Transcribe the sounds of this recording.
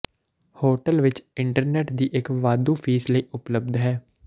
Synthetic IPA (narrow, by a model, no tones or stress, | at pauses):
hoːʈəlʋɪt͡ʃɪɳʈəɾnɛːʈd̪iːʔɪkʋaːd̪ũːpʰiːsləiːʔʊpləb̚d̪ɦɛː